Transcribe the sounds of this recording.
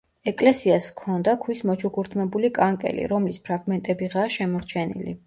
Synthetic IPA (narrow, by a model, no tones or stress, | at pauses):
ɛkʼlɛsiaskʰɔnd̪akʰwismɔt͡ʃʰukʰuɾt̪ʰmɛbulikʼaŋkʼɛ̰lḭɾɔmlispʰɾaɡmɛnt̪ʼɛbiʁaʃɛmɔɾt͡ʃʰɛnḭlḭ